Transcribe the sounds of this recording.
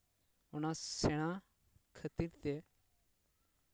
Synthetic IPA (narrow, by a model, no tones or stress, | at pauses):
unãseɽ̃ã | kʰət̪iɾt̪e